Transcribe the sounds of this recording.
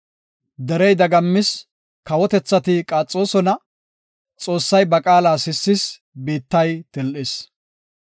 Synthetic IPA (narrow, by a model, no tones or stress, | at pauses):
d̪ɛɾɛjd̪ɐɡɐmːɪs | kɐwɔt̪ɛt͡sːɐt̪ɪkʼaːt͡sʼːo̞ːsɔnɐ | t͡sʼo̞ːsːɐjbɐkʼaːlaːsɪsːɪs | biːt̪ːɐjt̪ɪlʔɪs